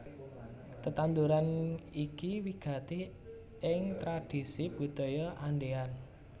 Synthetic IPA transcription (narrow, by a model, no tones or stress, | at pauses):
t̪ət̪and̪uɾanikiwiɡ̥ä̤t̪e | ʔɪŋt̪ɾad̥i̤sib̥ṳd̪̥ɔ̤jɔʔanɖean